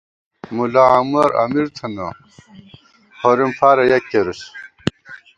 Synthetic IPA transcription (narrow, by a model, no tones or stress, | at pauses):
mulaamuɐɾɐ̰miɾt̪ʰɐnɐ | hoɾimfaːɾɐjɐkːeɾus